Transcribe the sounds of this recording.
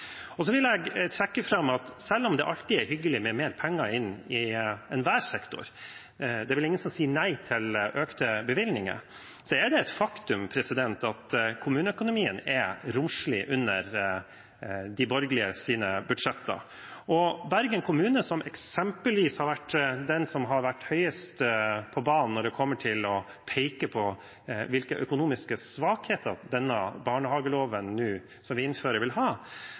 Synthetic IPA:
ɔs̬ɔʋɪlɛɡt̪ʰɾɛkːəfɾɑmːɑt̪sɛlːɔmd̪ɛʔɑlt̪ɪɛɾhʏɡːəlɪmɛmeːɾpʰɛŋːɑɪnɪɛnʋæːɾsɛkt̪ʊ̰ɾ | d̪ɛʋɪlɪŋːənsɔmsiːənæɪt̪ʰɪlʔøːkt̪əbəʋɪlnɪŋə̰ | sɔɛɖ̪ɛɛt̪fɑkt̪ʉmpʰɾɛsɪd̪ɛnt̪ɑt̪kʰʊmʉːnəœkʊnʊmiːənɛɾʊmʂlɪ̰ʔʉnːəɾ | d̪ɪbɔɾɡlɪəsiːnəbʉd̪ʂɛt̪ːə̰ | ɔbæɾɡənkʰʊmʉːnəsɔmɛksɛmpəlʋiːshɑɾʋæʈːd̪ɛnsɔmɦɑɾʋæʈːhœʏəst̪pʰɔbɑːnnːɔɖɛkʰɔmːəʈʰɪlɔ | pʰɛɪkəpʰɔ | ʋɪlkəʔœkʊnuːmɪskəsʋɑːkheːt̪əɾd̪ɛnːəbɑːɳəhɑːɡəloːʋənːʉː | sɔmʋɪɪnføːɾəɾʋɪlɦɑː

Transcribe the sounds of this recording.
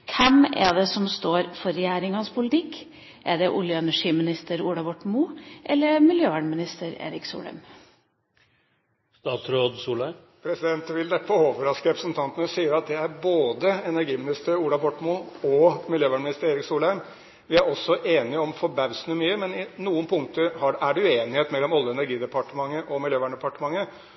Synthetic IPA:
kʰɛmɛ̰d̪ɛsɔmst̪oːɾfɔɾɛjæːɾɪŋɑnspʰʊlɪt̪ʰɪkː | ʔɛɖ̪ɛʔʊljənæʂiːmɪnɪst̪əɾuːɽɑʋɔʈːmʊʔɛlːəɾmɪljøːʋæːɖmɪnɪst̪əɾḛːɾɪksṵːlæ̰ɾm | st̪ɑːt̪sɾoːd̪suːlæɪ | pʰɾɛsɪd̪ɛnt̪ʋɪld̪ɛpʰɔoːʋəɾɑskəɾɛpɾəsnt̪ʰɑnt̪ənəsiːəɾɑt̪̚d̪ɛæɾboːd̪əɛnæɾɡiːmɪnɪst̪əɾuːɽɑʋɔʈːmʊɔmɪljøːʋæɳmɪnɪst̪əɾeːɾɪksuːlæɪm | ʋɪæɾɔsːɔʔeːnɪɔmfɔɾbæʋsnəmyːəmɛnɪnuːənpʰʊŋt̪əɾhɑæɖɛʉeːnɪheːt̪mɛlːɔmɑlːəɛnæɾɡiːd̪ɛpɑʈəmɑŋːəʔɔmɪljøːʋæːɳɖ̪ɛpɑʈəmɑŋːə

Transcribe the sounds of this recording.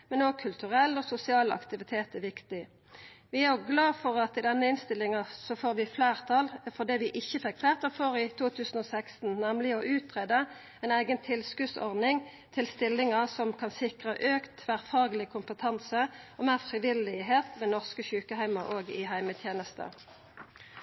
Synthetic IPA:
mɛnoːɡ̚kʰʉlt̪ʉʁɛlːɔsʊsɪɑːlɑ̰kt̪ɪʋɪt̪ʰeːt̪ɛʋɪkt̪ɪ | ʋɪæjɔɡlɑːfɔʁɑt̪ɪd̪ɛnːəɪnst̪ɪlːɪŋɑsɔfoːʁʋɪfleːʁt̪ʰɑlfɔʁd̪ɛːʋɪʔɪçːəfɛkflæːʁt̪əfoːʁɪt̪ʰuːt̪ʰʉːsən̩ɔːsækst̪n̩næmlɪɔʔʉːt̪ʰʁeːd̪ə | ɛɪnæɪɡənt̪ʰɪlskʉsɔ̰ʁd̪nɪŋ | t̪ʰɪlst̪ɪlːɪŋəsɔmkʰɑnsɪkʁəʔøːkt̪ʰʋæʁfɑːɡəlɪkʰʊmpət̪ʰɑnsəɔmæːʁfʁɪʋɪlɪɦeːt̪mɛnɔʁskəçʉːkəhæɪmɑʔoːɡɪɦæɪmət̪ʰjeːnəst̪ə̰

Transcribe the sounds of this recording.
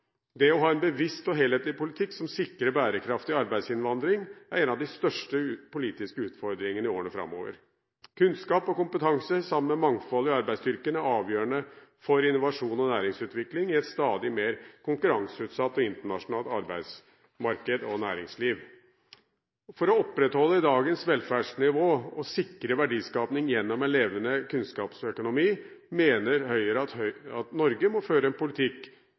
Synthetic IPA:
d̪ɛɔɦɑːɛnbəʋɪst̪ɔɦeːleːt̪lɪpʊlɪt̪ʰɪkːsɔmsɪkːɾəbæːɾəkʰɾɑft̪ɪɑɾbæɪd̪sɪnʋɑnd̪ɾɪŋæɾɛnɑʋd̪ɪst̪œʂʈəpʊliːt̪ɪskəʉːt̪fɔɾd̪ɾɪŋənɪoːɾəɳəfɾɑ̰mːo̰ːʋə̰ɾ | kʰʉnskɑːpɔkʊmpət̪ʰɑŋsəsɑmənmɛmɑŋfɔlːɪɑɾbæɪsd̪ʏɾkənæɑːʋjøːəɳəfɔɾɪnːʊʋɑʂuːnɔnæːɾɪŋsʉːt̪ʋɪklɪŋɪɛt̪st̪ɑːd̪ɪmeːɾkʰʊŋkʉɾɑŋsʉːt̪sɑt̪ːɔɪnt̪əɳɑʂʊnɑːlt̪ɑɾbæɪd̪s | mɑɾkəd̪ɔnæːɾɪŋsliːʋ | fɔɾɔɔpːɾɛt̪hɔlːəɪd̪ɑːɡənsʋɛlfæːɖʂnɪʋoːɔsɪkːɾəʋæɖiːskɑːpnɪŋjɛnːɔmɛnleːʋənəkʰʉnskɑːpsœkʊnʊmiːmeːnəɾhœʏəɾət̪ɑt̪nɔɾɡəmɔføːɾəɛnpʊlɪt̪ʰɪkː

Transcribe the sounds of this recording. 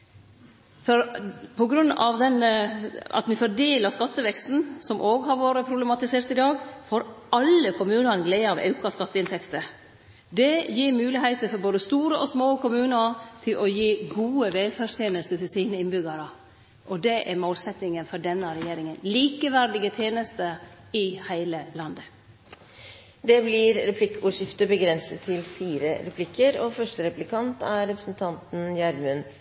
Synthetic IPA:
fɔɾpʰɔɡɾʉnːɑ̰ʋd̪ɛn | ɑ̰t̪mɪfɔɖeːləskɑt̪ːəʋɛkst̪n̩sɔmʔoːɡɦɑɾʋoːɾəpʰɾʊblɛmɑt̪ɪseːɾt̪ɪd̪ɑːɡfoːɾʔɑlːəkʰʊmʉːnəɡlɛɪɑʋɑ̰ʉkɑskɑt̪ːəɪnt̪ɛkt̪ə | d̪ɛjiːɾmʉːlɪɦæɪt̪əɾfɔɾboːd̪əst̪uːɾəʔɔsmoːkʊmʉːnəɾt̪ʰɪlʔɔjiːɡuːəʋɛlfæːʂt̪ʰjeːnəst̪ət̪ʰɪlsiːnəɪnbʏɡəɾə | ʔɔd̪ɛʔæmoːlsɛt̪nɪŋənfɔɖɛnːəɾɛjeːɾɪŋənliːkəʋæɾɖ̪ɪɡət̪ʰjeːnəst̪ə | ɪhæɪləlɑnd̪ə | d̪ɛblɪɾɾɛpʰlɪkːuːʂɪft̪əɾbəɡɾɛnsət̪ʰːɪlfiːɾəɾɛpʰlɪkːəɾɔfœʂʈəɾɛplɪkʰɑnt̪æɾɛpɾəsn̩t̪ʰɑnt̪n̩jæɾmʉn

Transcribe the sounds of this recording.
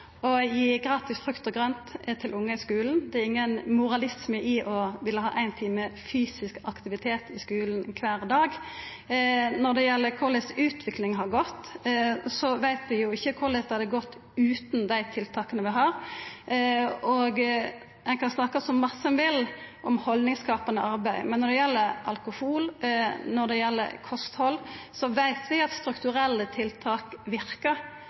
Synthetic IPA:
ɔjiɡɾɑːt̪ɪsfʁʉkt̪ɔɡʁœnt̪t̪ʰɪlʊŋːəɪskʉːln̩d̪ɛæɾʁɪŋːənmʊɾɑlɪsməʔɪʔɔʋɪlːəɦɑ̰ːʔæɪnt̪ʰiːməfyːsɪskɑkt̪ɪʋɪt̪ʰeːt̪ɪskʉːlnkʰʋæːʁd̪ɑːɡ | nɔʁd̪ɛjɛlːəkʰʊlɛsʉːt̪ʰʋɪklɪŋɦɑʁɡɔt̪ː | sɔʋæɪt̪ʋɪjʊɪçːəkʰʊʁlɛt̪hɑd̪əɡɔt̪ː | ʉːt̪nd̪æɪt̪ʰɪlt̪ʰɑːkənəʋɪɦɑːɾ | ɔɡ | ɛkʰɑnsnɑkəsɔmmɑsːəɛnʋɪlʔɔmhɔlnɪŋskɑːpənəʔɑɾbæɪmɛnːɔd̪ɛjɛlːəɾʔɑ̰lkʊhuːlnɔɾd̪ɛjɛlːə̰ɾkʰɔst̪hɔlːsɔʋæɪt̪ʰʋɪɑt̪st̪ɾʉkt̪ʉɾɛlːət̪ʰɪlt̪ʰɑːkʋɪɾkəɾ

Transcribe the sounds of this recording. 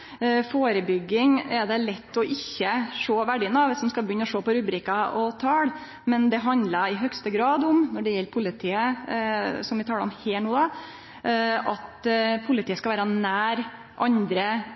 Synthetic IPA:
foːɾəbʏɡːɪŋɛd̪ɛlɛt̪ːɔʔɪçːəʂoːʋæɖɪːnɑːʋɛsɔmskɑbjʏnːɔʂoːpɔɾʉbɾiːkɑɔt̪ʰɑːɽ | mɛnd̪ɛɦɑnd̪lɑɪɦœkst̪əɡɾɑːd̪ɔmnɔɖɛjɛlːpʰʊlːɪt̪ʰiːə | sɔmʋɪt̪ʰɑːləɔmheːlnuːd̪ɑ | ʔɑt̪pʰʊlɪt̪iːəskɑʋæːɾɑnæːɾ | ʔɑ̰nd̪ɾə

